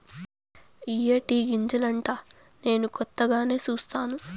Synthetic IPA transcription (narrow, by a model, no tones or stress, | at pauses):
iːeːʈiːɡiɲd͡ʒɐlɐɳʈaː | ne̞ːnukɔt̪ːɐɡaːne̞ːt͡ʃuːst̪aːnu